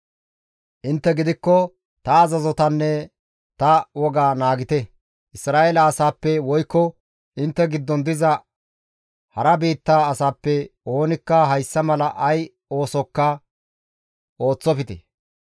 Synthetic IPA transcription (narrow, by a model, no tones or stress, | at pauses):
ʔɪnt̪ːɛɡɪd̪ɪkːɔ | t̪ɐːzɐzɔt̪ɐnːɛ | t̪ɐwɔɡaːnaːɡɪt̪ɛ | ʔɪsɾaːʔeːlɐːsaːpːɛwɔjkːɔ | ʔɪnt̪ːɛɡɪd̪ːɔnd̪ɪzɐ | hɐɾɐbiːt̪ːaːɐsaːpːɛo̞ːnɪkːɐɦɐjsːɐmɐlɐʔɐj | o̞ːsɔkːɐ | o̞ːt͡sːɔfɪt̪ɛ̰